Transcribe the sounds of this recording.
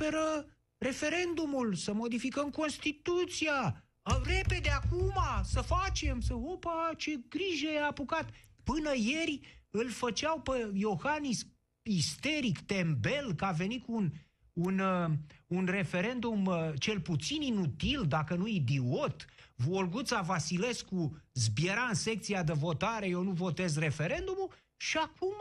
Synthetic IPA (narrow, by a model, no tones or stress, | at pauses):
peɾə | re̞fe̞ɾe̞nd̪umulsəmo̞d̪ifikəmko̞nst̪it̪ut̪sia | əre̞pe̞d̪eakumasəfat͡ʃe̞msəopat͡ʃe̞ɡɾiʒəjeapukat̪pɨnəje̞rʲɨlfət͡ʃawpejo̞xanis | ist̪e̞ɾikt̪e̞mbe̞lkəave̞nitkuːn | un | unre̞fe̞ɾe̞nd̪umt͡ʃe̞lput̪sininut̪ild̪akənuid̪iwot̪volɡut̪savasile̞skuzbjeɾaɨnse̞k̚t̪siad̪evo̞t̪aɾejewnuvo̞t̪e̞zre̞fe̞ɾe̞nd̪umul | ʃiakum